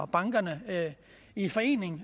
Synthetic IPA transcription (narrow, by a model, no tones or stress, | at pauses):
b̥ɑ̈ŋɡ̥ɐnə | ifɒ̽e̝̰ːne̝ŋ